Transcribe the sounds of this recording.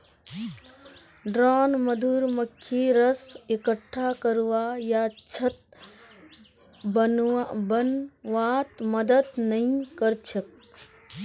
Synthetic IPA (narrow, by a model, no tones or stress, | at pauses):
ɖɾaːnmɐd̪ʱuːɾmɐkʰːiːɾɐsekəʈʰːaːkəɾʋaːjaːt͡ʃʰɐt̪̚ | bbɐnʋaːt̪mɐd̪əd̪nɐĩkɐɾt͡ʃʰɐk̚